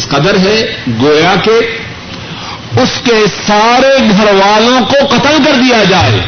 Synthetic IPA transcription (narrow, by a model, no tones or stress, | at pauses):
sqɐd̪əɾɦɛɡoːjake | ʊskesaːɾeɡʱɐɾʋaːlõkoqɐt̪əlk̬ɐɾd̪ijad͡ʒaːḛː